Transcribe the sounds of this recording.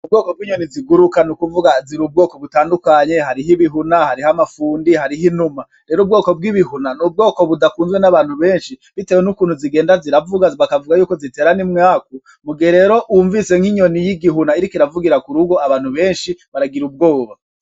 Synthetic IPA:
ubɡoːko̞bɡiːɲo̞niziɡuɾukanukuvuɡaziɾub̚ɡo̞ːko̞βutaːndukaɲe̞ɦaɾiɦiβiɦunahaɾihamafuːndihaɾiɦinuma | ɾe̞ːɾoub̚ɡo̞ːko̞b̚ɡiβihunanub̚ɡo̞ːko̞βudakuːnzɡwenaβaːn̥huβe̞ːnʃiβitewenukuːn̥huziɡe̞ːndaziɾavuɡaβakavuɡajuːkozite̞ːɾanimŋaːku | muɡieɾe̞ːɾo̞ʔuɱvise̞ŋhiɲo̞nijiɡiɦunaiɾikiɾavuɡiɾakuɾuɡo̞aβaːn̥huβe̞ːnʃiβaɾaɡiɾub̚ɡo̞ːβa

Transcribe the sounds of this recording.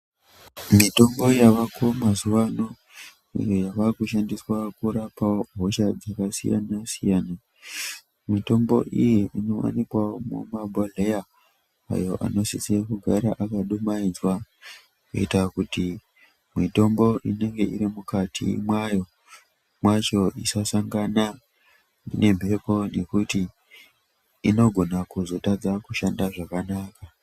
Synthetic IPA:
mito̞mbo̞jaʋakomazuʋano | ḭjojaʋarikuʃandiswakuɾapaoɦoʃad͡zakasija̰nasijana | mito̞mbo̞̰ʔijeʔino̞wa̰nikwaomṵmabʱaleja | a̰jo̞̰ʔa̰no̞sisiakuɡʱaɾaʔakaɗumaid͡zwa | kḛitakuti | mito̞mbo̞ʔine̞ŋɡe̞ʔḭrimukatʰḭmwajo̞ | mwat͡ʃo̞isasaŋɡana | ḭne̞m̤e̞po̞ne̞kuti | no̞ɡʱo̞nakuzo̞tad͡zakuʃandaʐakanaːka

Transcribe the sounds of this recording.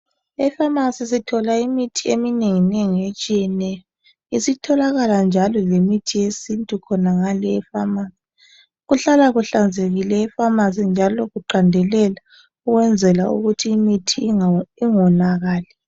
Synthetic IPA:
ɛfamasisitʰɔlaimitʰiemineŋineŋiet͡ʃʼijɛnɛjɔ | isitʰɔlaɣaland͡ʒʱalɔlemitʰijesintʼukʰɔnaŋalɛːfamaːsi | ɣuɬalaɣuɬand͡zʱeɣilɛːfamas̬ind͡ʒʱalɔɣuǃandʱɛlɛla | uɣwɛnd͡zʱɛlaṵɣutʰiːmitʰiiŋɔnaɣaːlɛ

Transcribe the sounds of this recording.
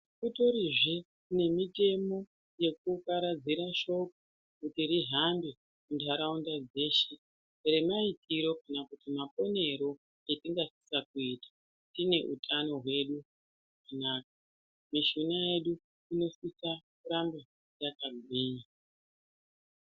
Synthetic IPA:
kuto̞ɾiʐe | kne̞mite̞mo̞ | je̞k̚ukaɾad͡ziɾaʃo̞k̚u | kutiɾiɦambi | kundʱaɾaundad͡ze̞ʃe | re̞maitiɾo̞kanakutimapo̞ne̞ɾo̞ | etiŋɡasi̥sak̚uiːtḁ | tine̞ʔṵtʰano̞ɦwe̞ɗu | ɦakanaːk̚a | miʃunaje̞ɗu | ino̞sisakuɾamba | jakaɡʱwiːɲa

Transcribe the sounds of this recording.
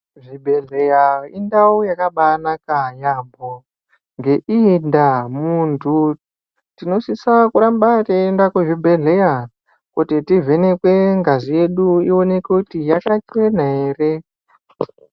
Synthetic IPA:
ʐibʱe̞ɮejaindaujakaɓanakajambʱo | ŋɡe̞ʔindamuntʰu | tino̞sisakuɾambateːndakweʐibʱe̞ɮe̞ja | kutitivʱe̞ne̞kwe̞ŋɡazije̞ɗuio̞ne̞kukutijakat͡ʃwe̞naeːre̞

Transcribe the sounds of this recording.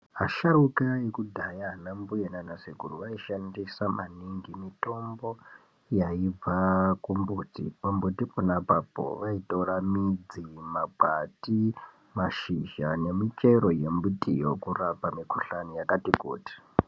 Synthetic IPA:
ɦa̰ʃaɾukajekudʱajaːnambujenanasiɡʱuruʋaiʃandisamʔaniŋɡimito̞mbo̞ | jaib͡vakumbuːtḭpombutiponapapo̰ʋaitoramid͡zimabʱati | maʃiʒane̞mit͡ʃe̞ɾoje̞mbutʼḭjokurapamikuɬanijakatikṵːti̥

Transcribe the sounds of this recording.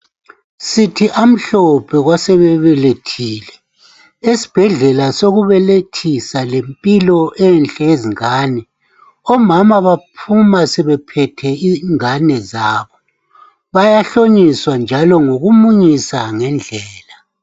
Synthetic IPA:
sitʰiʔam̩ɬɔpʰɛɣwasɛβɛβɛletʰiːlɛ | esi̥b̥ʱɛɮɛlasoɣuβɛletʰisalempʼilɔʔɛnt͡ɬʼɛeziŋaːnɛ | ɔmamaβapʰumasɛβɛpʰɛtʰɛiŋanɛzaːβɔ | βajaɬoɲiswand͡ʒʱalɔŋoɣumuɲisaŋɛnd͡ɮʱɛːla

